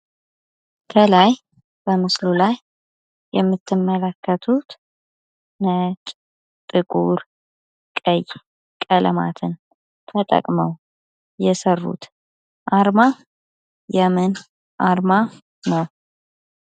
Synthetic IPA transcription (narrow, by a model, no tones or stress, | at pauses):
kʰəlaj | b̥əmɨslulajː | ɛmːɨt̪ʰːɨmːələkːət̪ʰut̪ | nət͡ʃʼ | t̪ʼɨkʼuɾ | kʼəj | kʼələ̰ma̰t̪ʰɨn | t̪ʰət̪ʼə̰kʼməw | jɛsərːṵt̪ | ʔaɾma | jɛmɨn | ʔaɾma | nəw